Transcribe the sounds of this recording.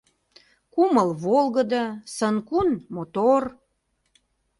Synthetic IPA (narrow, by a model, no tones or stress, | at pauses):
kuməlβolɣəd̪əsənkunmot̪or